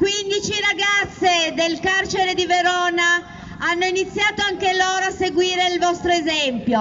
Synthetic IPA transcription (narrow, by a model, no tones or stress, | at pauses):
kwind̪it͡ʃiɾaɡat̪sːed̪elkart͡ʃeɾed̪iveɾɔːna | anːoinit̪sːjaːt̪oaŋkeloːɾoasːeɡwiːɾeilvɔst̪ɾoezɛmpjo